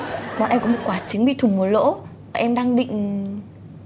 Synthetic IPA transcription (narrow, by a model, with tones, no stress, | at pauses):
ɓɔ̰˨˩nʔɛ˧mkɔ˨˦m˨˩t̚kwaː˧˩t͡ɕi˨˦ŋ̟ɓḭ˧˨t̪ʰmu˨˩˦lo̰˧˥ | vaː˨˩ʔɛ˧mɗaː˧ŋɗḭ̈˧˨ŋ̟